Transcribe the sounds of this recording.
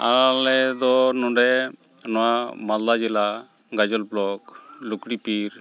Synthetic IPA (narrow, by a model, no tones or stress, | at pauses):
alɛd̪ɔnɔɖɛ | nɔwamad̪lad͡ʒila | ɡad͡ʒɔlblɔklukɽipiɾ